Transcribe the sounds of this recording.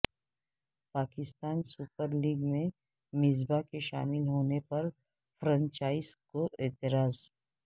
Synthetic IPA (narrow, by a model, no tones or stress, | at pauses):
paːkɪst̪aːnsuːpəɾliːɡmẽ | mɪzbakeʃa̰ːmɪlɦoːnepɐɾ | fɾə̃ɲt͡ʃaːɪzkoʔɛːt̪ɪɾaːz